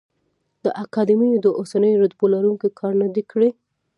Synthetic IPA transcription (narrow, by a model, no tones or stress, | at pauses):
d̪̥əʔakɑd̪imijod̪əʔosanəjoɾad̪bolaɾuŋkikʰɑɾnad̪ikɽi